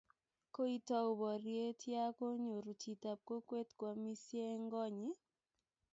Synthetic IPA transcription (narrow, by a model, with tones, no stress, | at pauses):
ko˦i˦tɔ˦ʊ˨bɔ˨ɾje˦tʰja˦ko˦ɲo˨ɾu˨t͡ʃi˨ta˨p̚ko˦kwe˦tkwɔ˨mi˦sje˦ŋɡɔ˦ɲɪ˦